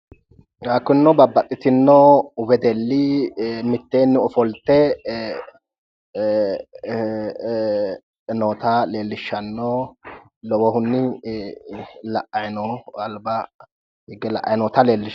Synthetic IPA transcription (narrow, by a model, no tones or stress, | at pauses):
ɡakːʊnːɔbɐbːɐt̪ʼːɪt̪ɪnːɔwɛd̪ɛlːɪmɪt̪ːeːnːɪɔfɔlt̪ːɛ | noːt̪ɐle̞ːlːɪʃːɐnːɔ | lɔwɔɦʊnːɪ | lɐʔːɐjnɔɐlbɐ | hɪɡːɛlɐ̰ʔɐ̰jnoːt̪ɐle̞ːlːɪʃ